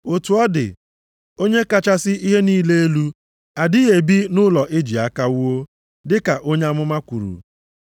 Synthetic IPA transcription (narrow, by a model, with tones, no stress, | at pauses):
o˨tu˨ɔ˦dɪ̰˨ | o˦ɲe˦ka˦t͡ʃa˦sɪ˦i˦ɦe˦niː˦le˦e˦lu˦ | a˨dɪ˦e˨bi˦nʊ˦lɔ˨ʔe˦d͡ʒi˨a˦ka˦wu˦o˦ | dɪ˦ka˨ʔo˦ɲe˦a˦mʊ˦ma˦kʷu˨ɾṵ˨